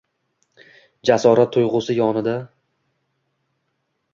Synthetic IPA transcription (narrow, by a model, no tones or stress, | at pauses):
d͡ʒasɒɾat̪ʰːʊjʁʊsɪjɒnɪd̪a